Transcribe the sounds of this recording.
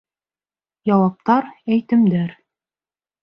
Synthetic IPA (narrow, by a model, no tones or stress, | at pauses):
jɑwɑp̚t̪ɑɾæjt̪ɘ̆md̪æɾ